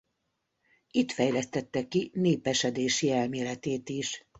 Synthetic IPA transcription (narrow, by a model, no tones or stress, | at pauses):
it̪fɛjlɛst̪ɛt̪ːɛkːineːpɛʃɛd̪eːʃiɛlmeːlɛt̪eːt̪iʃ